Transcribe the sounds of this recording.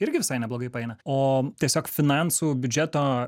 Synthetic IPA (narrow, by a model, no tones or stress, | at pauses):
ɪɾʲɡʲɪʋʲɪsɐɪnʲɛblˠoːɡɐɪpɐɛɪnɐoːt̪ʲiɛsʲoːkfʲɪnɑnsuːbʲʊd͡ʒʲɛt̪oː